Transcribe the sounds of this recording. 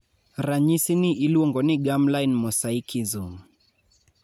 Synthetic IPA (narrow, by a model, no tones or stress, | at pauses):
ɾaɲisiniʔiluɔŋɡɔniɡamlajnmɔsaikʰizum